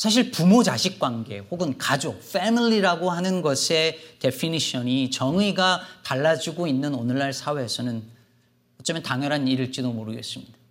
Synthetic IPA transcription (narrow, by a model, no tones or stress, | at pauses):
sʰaɕ̬ʰiɭpumod͡ʑaɕʰik̚k͈wanɡe̞̰ɸoɡɯnkad͡ʑofʰemiʎiɾaɡohanɯnɡʌsʰe̞te̞pʰiniɕʰʌnit͡ɕʌŋiɡataɭːad͡ʑuɡoinːɯnonɯɭːaɭsʰaweɦesʰʌnɯn | ʌt͡ɕ͈ʌmentaŋjʌɾɦaniɾiɭt͡ɕ͈idomoɾɯɡe̞̰s͈ɯmɲid̥a